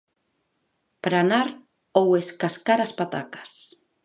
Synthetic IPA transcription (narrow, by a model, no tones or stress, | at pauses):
pɾanaɾ | oweskaskaɾaspat̪akḁs